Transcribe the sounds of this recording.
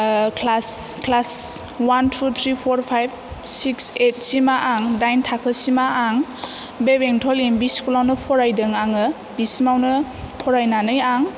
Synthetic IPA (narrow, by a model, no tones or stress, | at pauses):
kʰlas | klas | wantʰut̪ʰɾipʰɔɾpʰajb̚sikset̚simaʔaŋdajntʰakʰəsimaʔaŋ | bebeŋtʰɔlimbiskulawnəpʰɔɾajdɯŋaŋɯ | bisimawnɯ | pʰɔɾajnanɯjaŋ